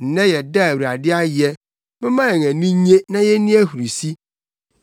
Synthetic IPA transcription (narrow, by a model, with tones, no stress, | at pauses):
n̩˨nɛ̃˦jɛ˨da˦˨wa˨dɪ˦a˦jɛ˦ | mɛ̃˦mã˦ɛ˨ŋæ̃˨nũ˦ɲẽ˦nã˦jɛ˦nĩ˦æ˦hu˨ɾi˨si˦